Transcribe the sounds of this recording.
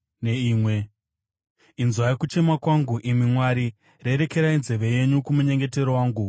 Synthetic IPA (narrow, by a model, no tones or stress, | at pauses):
neiːmwe̞ | inzwajekut͡ʃe̞makwaŋɡuʔimimwaɾi | re̞ɾe̞ke̞ɾainze̞ʋe̞je̞ɲukumuɲe̞ŋɡe̞te̞ɾowaːŋɡu